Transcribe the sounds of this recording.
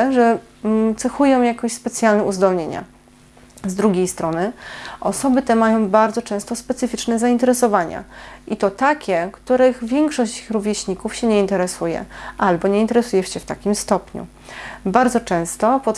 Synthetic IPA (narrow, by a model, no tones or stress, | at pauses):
ʐɛ | t̪sɛxujɔ̃w̃jakɔɕspɛt̪sʲjalnɛuzd̪ɔlɲeɲa̰ | zd̪ɾuɡʲejst̪ɾɔnɘʔɔsɔbɘt̪ɛmajɔ̃w̃baɾd̪zɔt͡ʂɛ̃w̃st̪ɔspɛt̪sɘfʲit͡ʂnɛzaint̪ɛɾɛsɔvaɲa̰ʔit̪ɔt̪akʲɛkt̪uɾɘɣvʲjɛŋkʂɔɕt͡ɕɾuvʲjɛɕɲikufɕɛɲɛint̪ɛɾɛsujɛ̰ʔalbɔɲɛint̪ɛɾɛsujɛɕɛft̪akʲimst̪ɔpɲṵ | baɾd̪zɔt͡ʂɛ̃w̃st̪ɔpɔ